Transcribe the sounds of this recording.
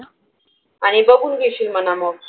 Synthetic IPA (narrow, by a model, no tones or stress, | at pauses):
aɽ̃ibəɡʱuːnɡiɕiːlmənamɔɡ